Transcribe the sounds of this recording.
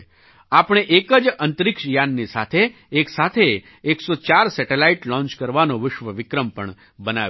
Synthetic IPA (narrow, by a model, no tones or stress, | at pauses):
apɳ̃eʔekəd͡ʒənt̪əɾɪkʃjanːisa̰t̪ʰeː | ksat̪ʰeː | ksot͡ʃaɾsɛʈelaiʈlɔ̃ɲt͡ʃkəɾʋanoʋɪʃʋəʋɪkɾəmpəɳ | bəna̰ʋ